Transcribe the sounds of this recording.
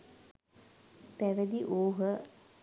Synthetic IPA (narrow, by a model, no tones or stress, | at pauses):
pæʋəd̪iʔoːɦə